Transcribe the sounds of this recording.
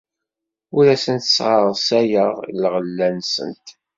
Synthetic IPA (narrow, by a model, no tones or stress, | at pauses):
ʊɾæsənt̪ə̥sʁəɾˤsæjəʁlʁəlːænsə̰nt̪